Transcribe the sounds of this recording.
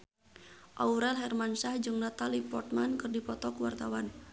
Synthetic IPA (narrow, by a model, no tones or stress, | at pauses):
ʔauɾɛlɦɛrmansahd͡ʒɨŋnat̪alipɔrt̪̚mankɨrdipɔt̪ɔkuwart̪awan